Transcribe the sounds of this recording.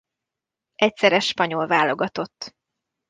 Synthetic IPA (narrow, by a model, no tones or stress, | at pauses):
ʔɛcsɛɾɛʃpɒɲo̞lvaːlo̞ɡɒt̪o̞t̪ː